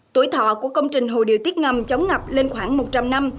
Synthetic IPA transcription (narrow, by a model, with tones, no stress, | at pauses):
t̪u˧˩jt̪ʰɔ̰˧˨ku˧˩əkə˧wŋ͡mt͡ɕï˨˩ŋ̟ɦo˨˩ɗi˨˩˨ət̪i˦˥t̚ŋa˨˩mt͡ɕə˨˦wŋ͡mŋa˨˩p̚le˧nxwaː˧˩ŋmo˨˩t̚t͡ɕa˧mna˧m